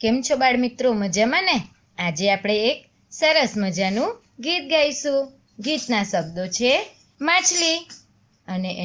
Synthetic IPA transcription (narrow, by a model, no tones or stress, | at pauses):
kemt͡ʃʰobaɽmit̪ɾoməd͡ʒamãne | ad͡ʒeapɽ̃eːk | səɾəsməd͡ʒanũ | ɡit̪̚ɡajsũ | ɡit̪nasəb̚d̪ot͡ʃʰe | mãt͡ʃʰli | əneʔ